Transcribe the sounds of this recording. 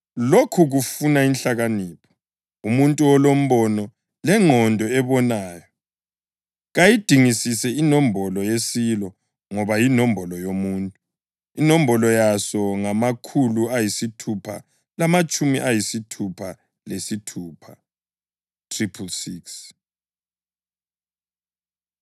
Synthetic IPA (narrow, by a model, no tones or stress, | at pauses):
lokʰuɣufunainɬaɣaniːpʰɔ̥ | umuntʼuɔlom̩βɔnɔ | lɛŋɔndʱɔɛβɔnaːjɔ | ɣajid̥ʱiŋisisɛinɔmbʱɔlɔjesilɔ | ŋɔβajinɔmbʱɔlɔjomuːntʼu | inombʱɔlɔjasɔŋamakʰuluajisitʰupʰa̰ | lamat͡ʃʼumḭʔajisitʰupʰa | lesitʰuːpʰa | tʰripʰulsiːks